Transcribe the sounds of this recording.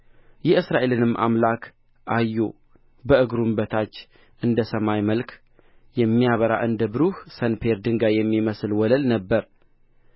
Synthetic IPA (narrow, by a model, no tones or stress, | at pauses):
jɛɨsɾaʔe̞lɨnɨmːʔa̰mlakʰ | ʔajːo̰ | bəɨɡɾumbət̪ʰat͡ʃː | ʔɨnd̪əsəmajməlkʰ | jɛmːijaβəɾa̰ʔɨnd̪əbɨɾuhsənpʰeɾd̪ɨŋɡajɛmːiməsɨlwɔləlnəbːəɾ